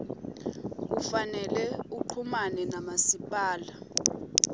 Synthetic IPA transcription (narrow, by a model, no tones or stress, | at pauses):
k̬ufanɛlɛuǃʰumanɛnamasipʼaːla